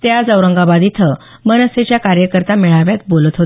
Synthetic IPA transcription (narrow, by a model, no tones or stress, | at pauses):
t̪jad͡zəwɾəŋɡabad̪it̪ʰə | mənəset͡ɕjakaɾjəkəɾt̪amiɭaʋjat̪̚bolət̪ɦot̪